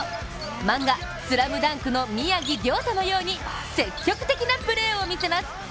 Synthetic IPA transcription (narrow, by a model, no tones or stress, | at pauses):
mãŋɡa | sɨɾabɯ̟d̪ãŋkɯ̟no̞mʲiaɡʲiɡʲo̞ːt̪ono̞jo̞ːɲ̟i | se̞kʲːo̞kɯ̟̥t̪e̞kʲinapɯ̟ɾe̞ːo̞mʲise̞masɨ̥